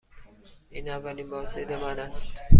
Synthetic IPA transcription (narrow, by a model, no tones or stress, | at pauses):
iːnævːæliːnbɒːzd̪id̪emanæst̪